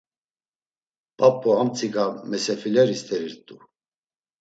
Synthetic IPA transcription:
pʼapʼːɔamt͡sʼʰikamɛsɛfilɛɾist̪ʰʼɛɾiɾt̪ʼu

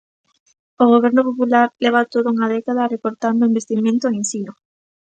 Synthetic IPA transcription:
oɣ̞oβ̞eɾnopopulaɾleβat̪oðouŋaðekaðarekoɾt̪and̪oimbest̪imẽnt̪oẽnsino

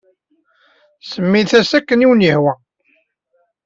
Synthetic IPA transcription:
səmːiθæsækːəniwənjəhwæ

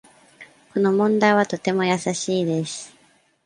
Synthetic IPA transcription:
ko̞no̞mõ̞nd̪aiβ̞at̪o̞t̪e̞mo̞jasaɕiːd̪e̞sɨ̥

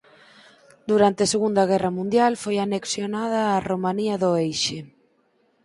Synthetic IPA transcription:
d̪uɾant̪eɐseɣund̪ɐɣ̞ɛrɐmũnd̪jalfojaneksjonaðɐːromaniɐðʊejʃɪ

